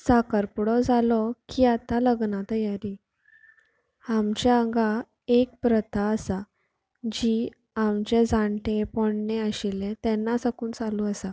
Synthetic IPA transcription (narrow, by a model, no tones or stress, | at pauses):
sakəɾpɽɔd͡zʱalɔkiːat̪aləɡnat̪əjaɾi | amt͡ɕjaəŋɡa | ek̚pɾət̪ʰaəsa | d͡ʑi | amt͡ɕed͡zãɳʈepɔɳɳeəɕilẽt̪ɛnːasəkuːnt͡saluəsa